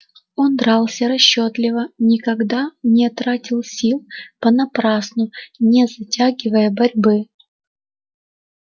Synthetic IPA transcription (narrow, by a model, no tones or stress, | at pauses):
ond̪ɾalˠsʲəɾɐɕːot̪lʲɪvənʲɪkɐɡd̪anʲɪt̪ɾatʲɪlˠsʲilˠpənɐpɾasnʊnʲɪzɐtʲaɡʲɪvəjəbɐɾʲbɨ